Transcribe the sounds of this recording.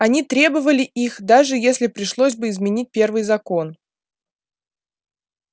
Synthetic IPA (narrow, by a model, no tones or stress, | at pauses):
ɐnʲit̪ɾʲe̞bəvəlʲɪʔixd̪aʐɨjesʲlʲɪpɾʲɪʂlˠos̬ʲbɨɪzmʲɪnʲit̚ʲpʲe̞rvɨjzɐko̞n